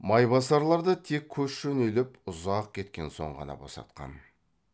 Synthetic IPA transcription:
mɑjbɑsɑɾlˠɑɾd̪ət̪ʰe̞kʲʰːɵsʃɵnelɪpʊzɑq̚kʲʰe̞t̪kʲe̞nso̞̰ɴʁɑ̰nɑ̰bosɑ̰t̪̚qɑ̰n

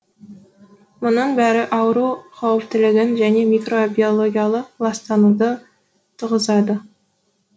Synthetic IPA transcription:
mʊnəɴbæɾɪʔɑwəɾuqʰɑwəp̚t̪ɪlɪɡʲɪnʒæne̞mʲikro̞bʲio̞lˠo̞ɡʲijɑlˠəqlˠɑst̪ɑnud̪ə | t̪ʰəʁəzɑd̪ə

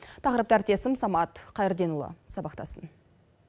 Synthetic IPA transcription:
t̪ʰɑqəɾəp̚t̪əæɾt̪e̞sɪmsɑmɑt̪qʰɑjɪɾd̪e̞nʊlˠə̰sɑbɑqt̪ɑ̰sən

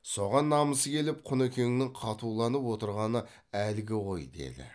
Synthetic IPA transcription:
so̞ʁɑnːɑməsəkʲʰe̞lɪp̚qʰʊnɵkʲʰeŋɪnɪŋqʰɑt̪uwlˠɑnəpwo̞t̪əɾʁɑnə | ælɪɡʲɪʁo̞jd̪e̞̰d̪ɪ̰

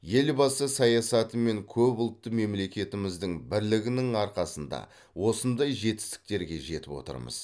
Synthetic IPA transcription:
je̞lbɑsəsɑjɑsɑt̪əme̞ŋkʲʰɵbʊlˠt̪ːəme̞mle̞kʲe̞t̪ɪmɪzd̪ɪŋbɪɾlɪɡʲɪnɪŋɑɾqɑsənd̪ɑ̰ | wo̞sənd̪ɑjʒe̞t̪ɪ̥st̪ɪ̥k̚t̪e̞ɾɡʲe̞ʒe̞t̪ɪpwo̞̰t̪ə̰ɾmə̰z̥

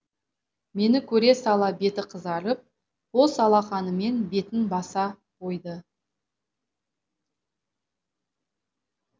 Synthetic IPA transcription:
me̞nɪkʲʰɵɾe̞sɑlˠɑbe̞t̪ɪqʰəzɑɾəp̚ | wosɑlˠɑχɑnəme̞nbe̞t̪ɪŋbɑsɑ | qʰo̞jd̪ə

